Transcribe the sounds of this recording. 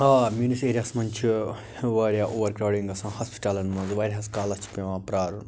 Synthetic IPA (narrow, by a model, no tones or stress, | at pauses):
ɦamʲuniseːɾijaːsmɐnʲt͡ʃʰi | ʋaːɾʲjaːʔoːʋɐɾkɾaːwɖiŋɡɐsãːhɐspi̥ʈaːlɐnmɐnzʋaːɾʲɦɐskaːlɐt͡ʃʰi̥pʲẽʋãːpɾaːɾun